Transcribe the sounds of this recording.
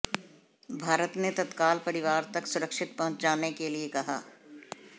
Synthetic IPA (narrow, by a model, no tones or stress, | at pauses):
bʱaːɾət̪net̪ɐt̪kaːlpɐɾɪʋaːɾt̪ɐksʊɾəkʃɪt̪̚pɐ̃ɦʊ̃t͡ʃd͡ʒaːnekeliekɐɦa̰ː